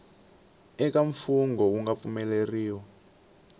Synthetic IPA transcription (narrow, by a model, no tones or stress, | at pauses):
ɛkaɱfuŋɡɔuŋɡap̪fumɛleriːwɔ